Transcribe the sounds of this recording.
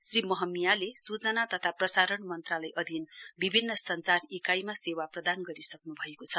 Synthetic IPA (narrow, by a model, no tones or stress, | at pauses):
srimʌɦʌmːijalesut͡sʌnat̪ʌt̪ʰaprʌsaɾʌnmʌnt̪ralajʔʌd̪ʱinbibʱinːʌsʌnt͡sarikajmasewaprʌd̪anɡʌɾisʌknubʱʌekot͡sʰʌ